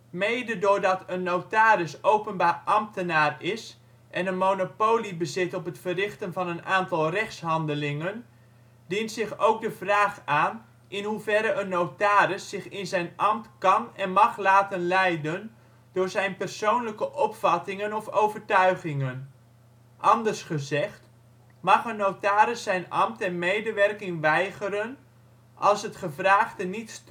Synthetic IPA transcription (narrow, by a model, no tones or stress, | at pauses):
mejdədʊːɹdɑtənːowtaːɾɪsowpənbaːrʔɑmtənaːrɪs | ʔɛnənmonopoːlibəzɪtɔpətfərɪχtənvɑnənaːntɑlˠrɛχsɦɑndəlɪŋən | dintsɪχowk̚dəvraːχaːn | ʔɪnɦuvɛɾəənːowtaːɾəsːɪχɪnzɛjnɑmtkɑnɛnmɑχlaːtənlɛjdən | d̥ʊːɹzɛjnpərsownləkəʔɔpfɑtɪŋənɔfowvərtœɥχɪŋən | ʔɑndərsχəzɛχt | mɑχənːowtaːɾɪsɛjnɑmtɛnmejdəʋɛrkɪŋʋɛjɣəɾən | ʔɑlˠsɦətχəvraːχdənits